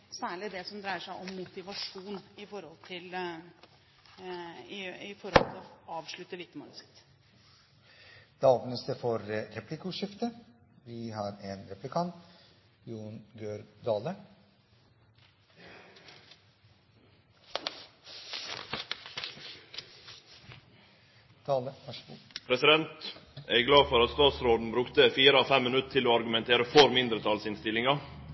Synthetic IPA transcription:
sæːɭɪd̪ɛsɔmd̪ɾæɪəʂæɪʔɔmːʊt̪ɪʋɑʂuːnɪfɔɾhɔlt̪ʰɪl | ɪɪfɔɾhɔ̰lt̪ʰɪlɔɑːʋʂɭʉt̪ːəʋɪt̪ːəmɑ̰ləsɪ̥t̪ː | d̪̥ɑːɡnəst̪əfɔɾɾɛplɪkʊʂɪft̪əʋɪɦɑɾeːnɾɛplɪkʰɑnt̪ | juːnɡøːɾd̪ɑːlə | t̪ʰɑːləpʰɾɛsɪd̪ɛnt̪æɪɡlɑːfɔɾɑt̪st̪ɑːt̪sɾoːd̪n̩bɾʉkt̪əfiːɾəɑːfɛmːɪnʉt̪t̪ʰɪloːɑɾɡʉmɛnt̪ʰeːɾəfɔɾmɪnd̪ɾət̪ʰɑlsɪnst̪ɪlɪŋɑ

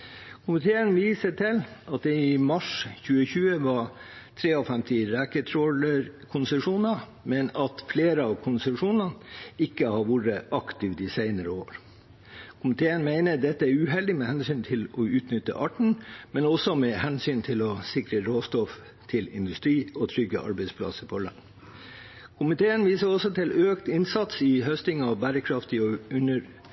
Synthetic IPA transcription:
kʰʊmɪt̪ʰeːənʋiːsəʈʰɪlʔɑt̪̚d̪ɛɪmɑʂçʉːəçʉːəʋɑt̪ʰɾeːɔfɛmt̪ɪɾɛːkət̪ʰɾɔləɾkʰʊnsəʂuːnɑ | mɛnɑt̪fleːɾəɑʋkʰʊnsəʂuːnɑnɪkːəhɑɾʋuɾəʔɑkt̪ɪʋd̪ɪsæɪnəɾəo̰ːɾ | kʰʊmɪt̪ʰeːənmæɪnəd̪ɛt̪ːəæɾʉːɦɛld̪ɪmɛhɛnsyːnt̪ʰɪlɔʉːt̪nʏt̪ːə̰ʔɑːʈɳ̩mɛnɔsɔmɛhɛnsyːnt̪ʰɪlɔsɪkɾəɾoːst̪ɔf | t̪ʰɪlɪ̰nd̪ʉst̪ɾiːɔt̪ʰɾʏɡːə̰ʔɑ̰ɾbɛɪspʰlɑ̰səpʰɔɭɑ̰ŋ | kʰʊmɪt̪ʰeːənʋiːsəɾɔsɔt̪ʰɪlʔøːkt̪ɪnsɑt̪sɪhœst̪ɪŋɑʋbæːɾəkʰɾɑft̪ɪɔʉnəɾ

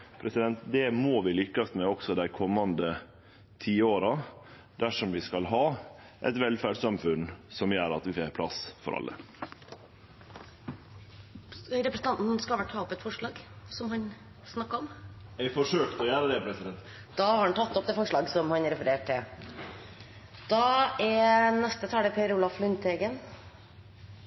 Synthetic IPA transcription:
pʰɾɛsɪd̪ɛnt̪d̪ɛmoːʋɪlʏkːəsmɛɔksɔd̪æɪkʰɔmːɑnd̪ə | t̪ʰiːoːɾɑ | d̪̥æʂɔmʋɪskɑlɦɑː | ʔɛ̰t̪ʋɛlfæɖsɑmfʉnsɔmjøːɾɑ̰t̪ʋɪfeːɾpʰlɑ̰sfɔ̰ɾʔɑ̰lːə̰ | ɾɛpɾəsn̩t̪ɑnt̪n̩skɑlʋæʈʰːɑːɔpɛt̪fɔʂɭɑːɡsɔmhɑn | snɑkːɔmɛɪfɔʂøːkt̪ɔjæːɾəd̪ɛpʰɾɛsɪd̪ɛnt̪ | d̪̥ɑːhɑɾɑnt̪ʰɑt̪ːɔp̚d̪ɛːfɔʂɭɑːɡsɔmhɑnɾɛfəɾeːʈʰːɪ | d̪̥ɑɛɾnɛst̪ət̪ʰɑːləpʰeɾʊlɑflʉnt̪ʰeɡən

